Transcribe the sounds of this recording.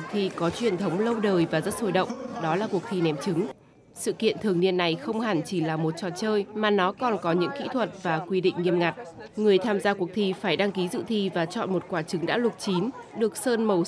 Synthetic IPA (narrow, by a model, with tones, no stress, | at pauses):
t̪ʰi˧˩kɔ˨˦t͡ɕwi˨˩ənt̪ʰə˨˦wŋ͡mlə˧wɗəː˨˩jvaː˨˩zə˦˥t̚so˧˩jɗə̰˧˨wŋ͡mɗɔ˨˦laː˨˩ku˨˩ək̚t̪ʰi˧nɛ˨˦mt͡ɕɨ˨˦ŋ | sɨ̰˧˨kḭ˧˨ənt̪ʰɨ˨˩əŋni˧ənːa˨˩jxə˧wŋ͡mhaː˧˩nt͡ɕi˧˩laː˨˩mo˨˩t̚t͡ɕɔ̰˧˨nt͡ɕəː˧jmaː˨˩nɔ˨˦kɔ˨˩nkɔ˨˦ɲɨ̰˧˥ŋkḭ˧˥t̪ʰwə˨˩t̚vaː˨˩kwi˧ɗḭ̈˧˨ŋ̟ŋi˧əmŋa˨˩jt̚ | ŋɨ˨˩əjt̪ʰaː˧mzaː˧ku˧˩ək̚t̪ʰi˧faː˧˩jɗa˧ŋki˨˦zɨ̰˧˨t̪ʰi˧vaː˨˩t͡ɕɔ̰˧˨nmo˨˩t̚kwaː˧˩t͡ɕɨ˨˦ŋɗa̰ː˧˥lʊ˨˩t̚t͡ɕi˨˦nɗɨ˨˩ək̚səː˧nmə˨˩w